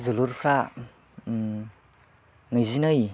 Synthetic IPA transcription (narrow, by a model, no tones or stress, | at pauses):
zuluɾpʰɾa | ŋɯjzinɯj